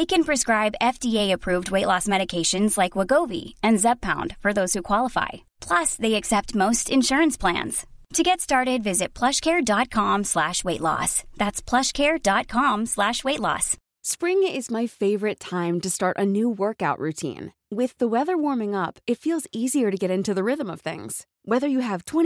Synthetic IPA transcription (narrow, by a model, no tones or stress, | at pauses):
ðeɪkɨ̃npʰɹ̥ɨskɹaɪbɛfd̥ieɪɨpʰɹ̥ʉvd̚weɪʔˡlɔsmɛɾɨkʰeɪʃɨ̃nzlaɪkwəɡoʊvḭɨ̃nzɛb̚pʰãʊ̃nd̥fə˞ðoʊz̥hʉkʰw̥ɑlˠəfa̰ɪ | pʰl̥ʌsðeɪɨksɛp̚t̚moʊstɨ̃nʃʊɹɨ̃nspʰl̥æ̰̃nz̥tʰɨɡɛtstɑɹɾɪdvɪzɨt̚pʰl̥ʌʃkʰɛɹdɑt̚kʰɑ̃mslæʃweɪʔˡlɔ̰sðætspʰl̥ʌʃkʰɛɹdɑt̚kʰɑ̃mslæʃweɪtˡlɔ̰s | spɹɪ̃ŋɪzmaɪfeɪvə˞ɨtʰãɪ̃mtɨstɑɹɾʔɨ̰nuwɜ˞kaʊʔɹʉtʰḭ̃n | wɪðəwɛðə˞wɔɹmɪ̃ŋʌpɨtfilˠziziə˞ɾɨɡɛɾɪ̃ntʉðɨɹɪðə̃mʌv̥θɪ̰̃ŋz̥ | wɛðə˞jɨːv̥tʰw̥ɛ̃ñ